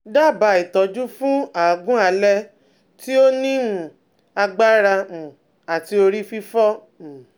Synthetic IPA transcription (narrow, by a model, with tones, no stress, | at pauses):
da˦˨ba˨i˨tɔ˨˦d͡ʒu˦fũ˦aː˨ɡũ˦a˨˧lɛ˦ | ti˦o˦nĩ˦˨ | a˧ɡ͡ba˦ɾa˧mũ˨ | a˨ti˧o˧ɾi˦fi˦fɔ˦ | m̩̃˨